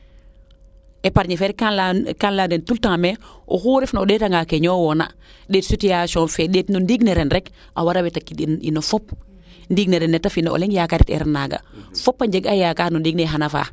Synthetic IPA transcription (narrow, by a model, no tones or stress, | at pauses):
epaɾɲefɛɾkanlakanladentultaŋmeʔo̰huɾefnooɗɛtaŋɡakeɲoːwɔna̰ | ɗetsutijasɔnfeɗetnundiɡneɾenɾɛk | ʔa̰waɾawetakːiḭnofɔp̚ | ndiːɡneɾɛnːɛtafinoʔo̰leŋjakaɾitɛ̰ɾɛnːaɡa̰fɔpːaɲd͡ʒeɡajakaːnundiːɡ̚neɦanafa̰ː